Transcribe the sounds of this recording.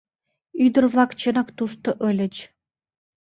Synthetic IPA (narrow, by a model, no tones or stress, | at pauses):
yd̪ə̆rvlˠɑkt͡ɕɤ̆nɑkt̪uʃt̪ŏʔɤ̆lʲə̆t͡ɕ